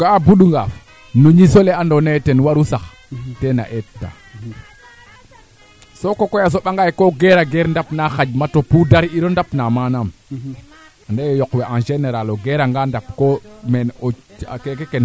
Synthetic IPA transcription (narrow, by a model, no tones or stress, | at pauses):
ɡabuɗuŋɡaf | noɲisolɛandɔnetɛnwaɾusax | tɛna̰ʔɛttːa̰ | sokokɔjas̬oɓaŋɡajkoɡɛɾaɡɛɾndapnaxad͡ʒmatopudaɾiiɾɔndapnamanam | andajjɔkwɛʔãnʃenɛɾalɔɡɛɾaŋɡandap̚kɔmɛno̰kekekɛn